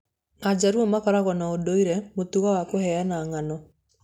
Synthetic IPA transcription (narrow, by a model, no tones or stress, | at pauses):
ad͡ʑaɾuɔmakɔɾaɣɔnaodoiɾɛmotuɣawakohɛanaːŋanɔ